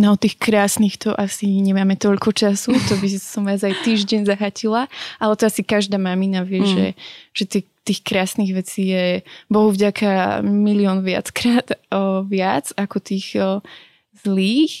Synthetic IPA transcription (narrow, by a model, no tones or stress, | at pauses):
nɔt̪iːxkɾaːsniːxt̪ɔʔasiɲɛmaːmɛt̪ɔʎkɔt͡ʃasut̪ɔbisɔmʋaːzajt̪iːʒɟɛɲzaɦacilaʔalɛt̪ɔasikaʒd̪aːmaminaʋɪɛʒɛ̰ʒ̥ɛt̪ɛ | t̪iːxkɾaːsniɣʋɛt͡siːjɛbɔɦuvɟakʰamiliɔːnʋɪa̰t͡skɾaːd̪̥ʋɪad͡zakɔt̪iːɣ | zliːx